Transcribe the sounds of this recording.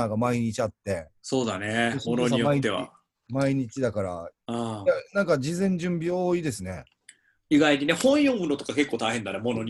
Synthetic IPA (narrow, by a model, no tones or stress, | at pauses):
aɡamaiɲ̟it͡ɕiat̪ːe̞so̞ːd̪a̰neesmonoɲijoaiːeβa̰ | maiɲ̟it͡ɕid̪akaɾa̰ajanãŋkad͡ʑizẽ̞ɲ̟d͡ʑɨ̃mbʲioːid̪e̞sɨne̞ | iɡaiɲinehõ̞ɰ̃jõŋɡɯ̟not̪okake̞kːoːt̪aiɦẽ̞nd̪anemo̞no̞ɲ̟